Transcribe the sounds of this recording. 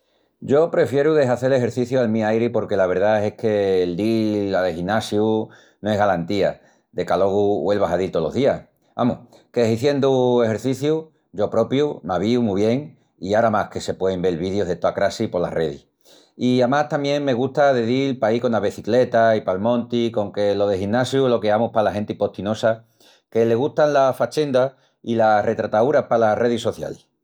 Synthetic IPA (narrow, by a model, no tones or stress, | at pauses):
ɟ͡ʝo̞pɾe̞fje̞ɾuðe̞saθe̞le̞xeɾθiθjualmĩajɾipo̞ɾke̞laβ̞e̞ɾðae̞hke̞ld̪iaðexinasju | noe̞ɦɣalant̪ia | d̪e̞kalo̞ɣuwe̞lβaɦaðilt̪o̞lo̞̰ðiah | a̰mukeɦiθje̞nd̪ue̞xe̞ɾθiθju | ɟ͡ʝo̞pɾo̞pjunaβ̞iumuβje̞ŋ | iaɾamahke̞se̞pweðembe̞lβiðjo̞ɦðe̞t̪oakɾasipo̞la̰re̞ð̞ḭ | iamaht̪amjẽ̞ŋme̞ɣuht̪aðeðilpaiko̞naβeθikle̞t̪aipalmõ̞nt̪iko̞ŋke̞lo̞ðe̞hinːasjulo̞keamuhpalaɦe̞nt̪ipo̞ht̪ino̞sa | ke̞le̞ɣ̞ust̪anlafat͡ʃe̞nd̪a | ilare̞t̪ɾat̪auɾahpalare̞ðiso̞θja̰l